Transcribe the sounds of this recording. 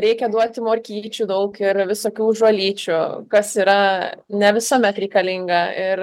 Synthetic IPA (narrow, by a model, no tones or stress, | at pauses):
ɾʲɛɪkʲɛd̪uɔt̪ʲɪmoːɾʲkʲiːt͡ʃʲuːd̪ɐʊkɪɾʋʲɪsoːkʲuːʒolʲiːt͡ʃʲʊkɐsiːɾɐnʲɛʋʲɪsoːmʲɛt̪ɾʲɛɪkɐlʲɪŋɡɐɪr